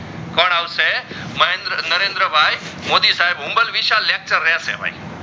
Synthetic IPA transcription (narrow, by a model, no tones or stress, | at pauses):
kɔɳ̃awse | mɐẽnd̪ɾənɐɾẽːnd̪ɾəbʱaːj | moːd̪isaːɦebɦʊ̃mbəlʋiʃalek̚t͡ʃəɾːeasḛbʱa̰ḭ